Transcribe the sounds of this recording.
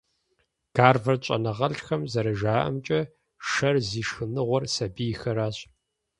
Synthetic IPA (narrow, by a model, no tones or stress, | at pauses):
ɡ̥aːrvɐrɕʼɐ̰nɐʁɐɬxɐmzɐɾɐʒaːʔɐ̰mt͡ʃʼɐ | ʂɐrziːʂxɨnɨʁʷɔrsɐbiːjxɐɾaːɕ